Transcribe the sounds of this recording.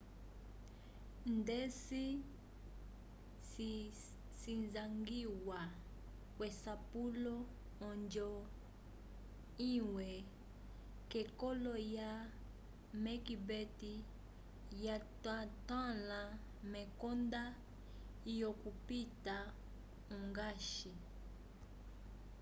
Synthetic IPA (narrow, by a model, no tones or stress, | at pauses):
ndɛsi | sinzaŋɡiwa | kwɛsapulɔ | ɔnd͡ʒɔ | iwɛ | kɛkɔlɔja | mɛkibɛti | jatatãla | mɛkɔnda | ijɔkupita | uŋɡaʃi